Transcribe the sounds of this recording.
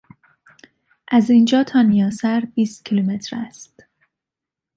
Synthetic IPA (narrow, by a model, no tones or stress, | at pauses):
ʔæzind͡ʒɒːt̪ʰɒːnijɒːsæɾbiːst̪̚cʰilume̞t̪ʰɾæ̰st̪